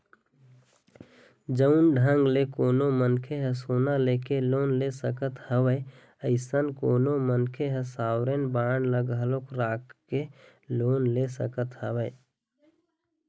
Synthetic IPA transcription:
d͡ʒəʊnɖʱə̃ŋɡlekoːnomənkʰeɦɛsoːnalekeloːnlesəkət̪həwəj | əɪsənkoːnomənkʰeɦɛsaːwɾenbaːɳləɡɦəlokɾaːkʰːe | loːnlesəkət̪həwəj

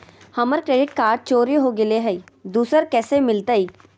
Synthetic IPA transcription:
həməɾkɾeːɖɪʈkaːɾɖ̚t͡ʃoːɾiɦoɡɪleɦɛid̪uːsəɾkɛːsemɪlt̪aiː

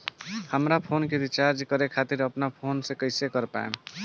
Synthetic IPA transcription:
həmɾapʰonkeɾit͡ʃaɾd͡ʒkəɾekʰat̪iɾəpnapʰonsekəɪsekəɾpa̰ḛm

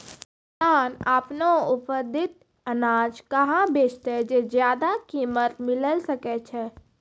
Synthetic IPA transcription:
t̪aːnaːpnoʊpəd̪ɪt̪̚ | ənaːd͡ʒkəɦãbeːt͡ʃt̪ed͡ʒezjaːd̪akiːmət̪mɪləlsəkɛt͡ʃʰɛː

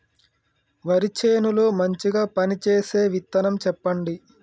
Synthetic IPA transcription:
ʋɐɾit͡ʃeːnuloːmɐɲt͡ʃiɡaːpɐnit͡ʃeːseːʋit̪ːɐnɐmt͡ʃɛpːɐɳɖi

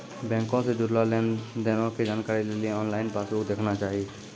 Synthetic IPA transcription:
bɛ̃ːŋkõsed͡ʒʊɾlaːleːnd̪eːnõked͡ʒaːnkaːɾileliẽɔːnlaːɪnpaːsuːkd̪eːkʰnat͡ʃaːɦie

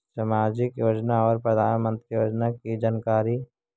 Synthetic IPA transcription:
səmaːd͡ʒɪkjoːd͡ʒnaɔːɾpɾəd̪ʱaːnmə̃nt̪ɾijoːd͡ʒnakid͡ʒankaːɾi

